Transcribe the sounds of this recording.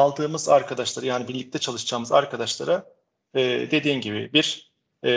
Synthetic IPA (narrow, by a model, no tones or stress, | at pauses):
alˠd̪ɯːmɯzaɾkʰad̪aʃlˠaɾɯjaːnibiɾlʲic̚t̪ʰɛt͡ʃʰalˠɯʃd͡ʒaːmɯza̰ɾkʰad̪aʃlˠaɾa | ɛːd̪e̞d̪iːmɟibḭbiɾ̥